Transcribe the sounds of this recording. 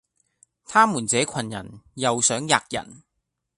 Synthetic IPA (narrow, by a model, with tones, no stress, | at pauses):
t̪ʰaː˥muː˨˩nt͡sɛː˨˥kʷʰɐ˨˩njɐ̰˨˩njɐ˨wsœː˨˥ŋjaː˨˧k̚jɐ̰˨˩n